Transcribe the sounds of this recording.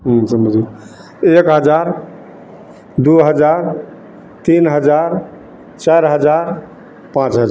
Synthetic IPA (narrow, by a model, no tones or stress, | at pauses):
ɦsəməd͡ʒi | ekɦəd͡ʒaɾ | d̪uɦəd͡ʒaɾ | t̪inɦəd͡ʒaɾ | t͡ʃaɾɦəd͡ʒaɾ | pãt͡ʃɦəd͡ʒ